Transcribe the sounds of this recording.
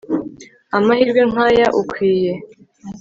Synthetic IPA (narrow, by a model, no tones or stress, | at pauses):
amahiɾɡweŋ̥ajaʔukʰwiːje